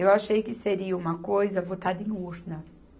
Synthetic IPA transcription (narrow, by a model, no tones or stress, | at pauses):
ewaʃejkɪseɾiɐũmɐkojzɐvot̪ad̪ɐẽj̃uɾnɐ